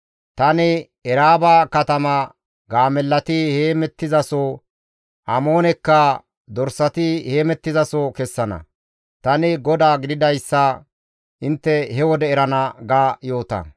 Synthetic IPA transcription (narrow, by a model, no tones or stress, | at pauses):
t̪ɐnɪ | ɛɾaːbaːkɐt̪ɐmɐ | ɡaːmɛlːɐt̪ɪheːmɛt̪ːɪzɐsɔ | ʔɐmo̞ːnɛkːɐ | d̪ɔɾsɐt̪ɪhe̞ːmɛt̪ːɪzɐsɔkɛsːɐnɐ̰ | t̪ɐnɪɡɔd̪aːɡɪd̪ɪd̪ɐjsːɐ | ʔɪnt̪ːɛhɛwɔd̪ɛːɾɐnɐɡaːjo̞ːt̪ɐ̰